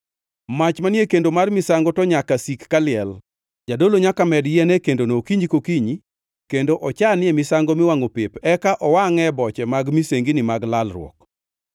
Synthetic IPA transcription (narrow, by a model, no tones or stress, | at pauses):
mat͡ʃmanɪekendomarmɪsaŋɡɔtɔɲakasikːalɪɛl | d͡ʒadoloɲakamɛdjɛnɛkendonokiɲd͡ʒikokiɲi | kendoʔɔt͡ʃanɪɛmɪsaŋɡomɪwaŋopepɛkaʔɔwaŋɛbɔt͡ʃɛmaɡmiseŋɡinɪmaɡlalrwɔ̰k̚